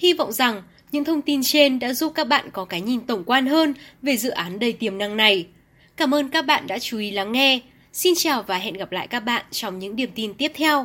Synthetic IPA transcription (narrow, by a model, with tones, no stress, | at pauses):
hi˧vɔ̰˧˨wŋ͡mza˨˩ŋ | ɲɨ̰˧˥ŋt̪ʰə˧wŋ͡mt̪i˧nt͡ɕe˧nɗa̰ː˧˥zu˦˥p̚kaː˦˥k̚ɓa̰ː˧˨nkɔ˨˦kaː˨˦jɲi˨˩nt̪ə˨˩wŋ͡mkwaː˧nɦəː˧nve˨˩zɨ̰˧˨ʔaː˨˦nɗə˨˩jt̪i˨˩əmna˧ŋna˨˩j | kaː˧˩mʔəː˧nkaː˦˥k̚ɓa̰ː˧˨nɗa̰ː˧˥t͡ɕu˨˦ʔi˨˦laː˨˧˩ŋːɛ˧ | si˧nt͡ɕaː˨˩wvaː˨˩ɦɛ̰˧˨nɣa˨˩p̚la̰ː˧˨jkaː˦˥k̚ɓa̰ː˧˨nt͡ɕɔ˧wŋ͡mɲɨ̰˧˥ŋɗi˨˩əmt̪i˧nt̪i˦˥əp̚t̪ʰɛ˧w